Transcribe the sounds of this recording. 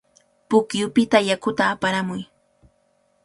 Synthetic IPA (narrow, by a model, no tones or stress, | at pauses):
pʊkjʊpɪt̪ajakʊt̪aːpaɾamʊj